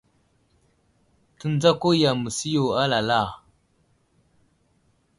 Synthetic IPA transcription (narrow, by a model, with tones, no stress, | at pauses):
tə˦n˦d͡za˦ko˦ja˨mə˨si˦jo˨a˦la˨la˦˨